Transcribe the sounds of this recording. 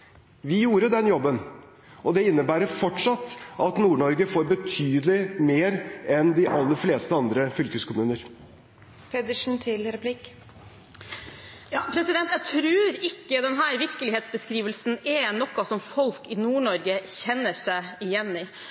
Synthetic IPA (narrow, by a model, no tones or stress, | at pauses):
ʋɪjuːɾəd̪ɛnjɔbːən | ʔɔd̪ɛɪnːəbæːɾəɾfɔʈʂɑt̪ːʔɑt̪nuːɳɔɾɡəfoːɾbət̪ʰyːd̪əlɪmeːɾɛnd̪ɪʔɑlːəɾfleːst̪əɑnd̪ɾəfʏlkʉskʰʊmʉːnəɾ | pʰɛd̪ɪʂn̩t̪ʰɪlɾɛpʰlɪk | jɑːpʰɾɛsɪd̪ɛnt̪jæt̪ʰɾʉːɾɪkːəd̪ɛnɦæːɾʋɪɾkəlɪheːt̪sbəskɾiːʋəlsn̩ɛnɔkːɑsɔmfɔlkɪnuːɳɔɾɡəçɛnːəʂæɪɪjɛnːɪ